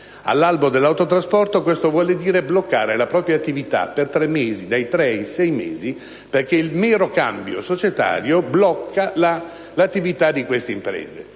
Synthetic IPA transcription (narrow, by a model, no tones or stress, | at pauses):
a̰lːalbod̪elːawt̪ot̪ɾaspɔrt̪okwest̪ovwɔːled̪iːɾeblokːaːɾelapɾɔːpɾjat̪ːivit̪a̰pert̪ɾemːeːzid̪ajt̪ɾɛsɛjmḛːzi | perk̟eilmɛːɾokambjo̰sot͡ʃet̪a̰ːɾjoblɔkʰːala | lat̪ːivit̪ad̪ikwest̪eimpɾḛːzḛ